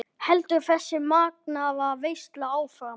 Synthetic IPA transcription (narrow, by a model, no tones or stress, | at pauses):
hɛlt̪ʏɾθɛsːɪmaːk̚naːvaveːjst̪laaːwfɾam